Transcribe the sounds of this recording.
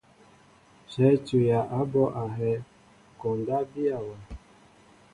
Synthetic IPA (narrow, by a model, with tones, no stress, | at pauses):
ʃɛ˨˦t͡ʃu˨ja˨ʔa˦bɔ˦ʔa˨ɦɛ˦ | kɔ˨n˨da˦bi˦a˨wa˨